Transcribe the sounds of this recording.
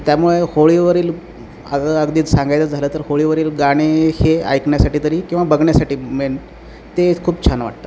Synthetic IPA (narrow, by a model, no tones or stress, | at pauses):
t̪jamuɭehoɭiːʋəɾiːl | əsəəɡd̪iːt͡ssãŋɡajt͡səd͡zʱaləːt̪əɾhoɭiːʋəɾiːlɡaɽ̃ehea̰jkɳjasaʈiːt̪əɾiːkĩw̃ʋabəɡɳjasaʈiːmeɳ | t̪ekʰuːpt͡ɕʰanʋa̰ʈ̚t̪a